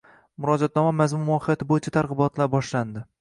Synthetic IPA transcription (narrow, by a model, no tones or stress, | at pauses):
mʊɾɒd͡ʒat̪̚nɒmamazmʊnmɒhɨjat̪ʰɪbojɪt͡ʃʰat̪ʰaɾʁɨbɒt̪ʰlaɾbɒʃland̪ɪ